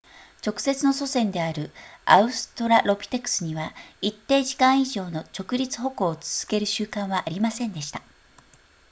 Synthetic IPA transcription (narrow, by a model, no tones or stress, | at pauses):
t͡ɕo̞kɯ̟̥se̞t͡sɨno̞so̞sẽ̞nd̪e̞aɾɯ̟a̰ɯ̟sɨ̥t̪o̞ɾaɾo̞pʲi̥t̪e̞kɯ̟̥sɨɲ̟iβait̪ːe̞ːʑikãɰ̃iʑo̞ːno̞t͡ɕo̞kɯ̟ɾʲit͡sɨ̥ɦo̞ko̞ːt͡sɨ̥z̥ɨ̥ke̞ɾɯ̟ɕɨːkãɰ̃βaʔːɾʲimasẽ̞nd̪e̞ɕi̥t̪a